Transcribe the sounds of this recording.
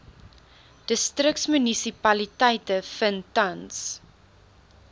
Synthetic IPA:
d̥əstrək̚tsmynisipɐlitɛjtəfəntɐns

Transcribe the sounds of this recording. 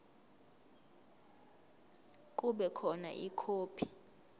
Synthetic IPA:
k̬ʼuɓɛkʰɔna̰ʔikʰoːpʰi̥

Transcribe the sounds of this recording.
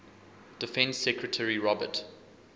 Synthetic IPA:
d̥ɪfɛ̃nsːɛkɹətʰəɹiɹɔbə̰t

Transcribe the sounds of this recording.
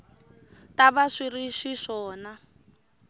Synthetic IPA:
taβaʂiriʂiʂɔːna

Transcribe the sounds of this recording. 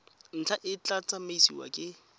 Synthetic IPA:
n̩t͡ɬʰaʔɪt͡ɬat͡sʼamaisḭwa̰kʼɪ

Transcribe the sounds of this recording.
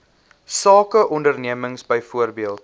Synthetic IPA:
sɑːkəʔɔndərniəməŋsbəjfuərbiəlˠt

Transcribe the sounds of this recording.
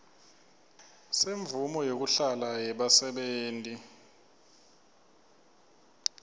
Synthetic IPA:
seɱbvumɔjok̬uɬalajɛɓasɛɓeːntʼi

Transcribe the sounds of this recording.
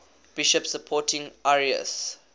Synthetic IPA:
b̥iʃəpsəpʰɔtʰĩŋɛɹiə̰s

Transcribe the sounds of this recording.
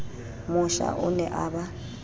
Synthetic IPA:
mʊʃa̰ʔʊnɛʔaba

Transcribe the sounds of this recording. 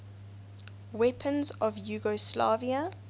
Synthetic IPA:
wɛpʰə̃nzɔvjuːɡɔsla̰ːviə

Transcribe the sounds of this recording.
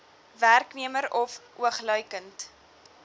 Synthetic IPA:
værkniəməɾɔfuəχlœjkənt

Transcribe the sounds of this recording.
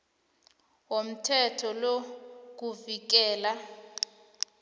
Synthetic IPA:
wom̩tʰɛtʰɔlok̬uvik̬ɛːla

